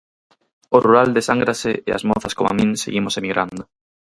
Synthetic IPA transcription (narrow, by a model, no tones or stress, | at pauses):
oruɾald̪esaŋɡɾaseea̰zmoθaskoma̰mĩnseɣimosemiɣɾʔand̪o